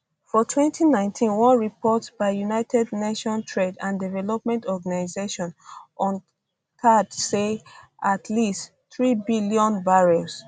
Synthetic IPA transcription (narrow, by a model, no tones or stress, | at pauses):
fɔtʰwɛ̃ntʰinãɪ̃ntʰĩnwɔ̃nɹipɔtbaɪjunaɪtʰɛdneʃɔ̃ntʰɹedãndivɛlɔp̚mɛ̃ntɔɡanaɪzeʃɔ̃nɔ̃n | kʰadse | atʰlist | θɹibiljɔ̃nbaɹos